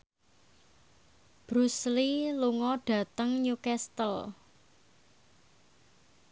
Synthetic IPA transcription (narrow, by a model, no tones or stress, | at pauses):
b̥ɾusliluŋɔɖ̥ä̤t̪əŋɲukɛst̪əl